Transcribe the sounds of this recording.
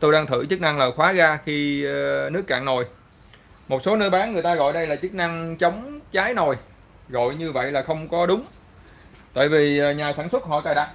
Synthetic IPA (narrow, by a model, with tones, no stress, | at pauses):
t̪o˧jɗaː˧ŋt̪ʰɨ̰˧˩t͡ɕɨ˦˥k̚na˧ŋləː˨˩xwaː˨˦ɣaː˧xi˧nɨ˦˥əkːa̰ː˧˨ŋno˨˩j | mo˨˩t̚so˨˦nəː˧jɓaː˨˦nŋɨ˨˩əjt̪aː˧ɣɔ̰˧˨jɗə˧jlaː˨˩t͡ɕɨ˦˥k̚na˧ŋt͡ɕə˨˦wŋ͡mt͡ɕaː˨˦jno˨˩j | ɣo̰˧˨jɲɨ˧və̰˧˨jlaː˨˩xə˧wŋ͡mkɔ˨˦ɗʊ˨˦ŋ͡m | t̪a̰ː˧˨jvi˨˩˨ɲaː˨˩saː˧˩nswə˦˥t̚hɔ̰˧˨t̪aː˨˩jɗa˨˩t̚